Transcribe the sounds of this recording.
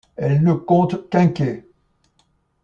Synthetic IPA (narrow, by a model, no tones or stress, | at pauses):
ɛlnəkɔ̃t̪kɛ̃kʲe